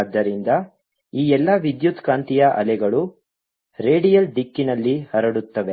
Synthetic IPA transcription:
d̪ːɐɾind̪ɐ | iːɛlːɐʋid̪jut̪kaːnt̪ijɐʔɐ̰lɛɡɐɭu | ɾe̞ːɖijɐlɖikːinɐlːihɐɾɐɽut̪ːɐʋe̞

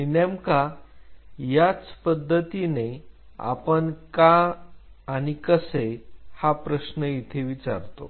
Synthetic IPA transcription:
inamka | jat͡spəd̪ʱːət̪ine | a̰pəɳkaː | ɽ̃ikəsehapɾəɕnəit̪ʰeʋit͡sa̰ɾt̪o̰

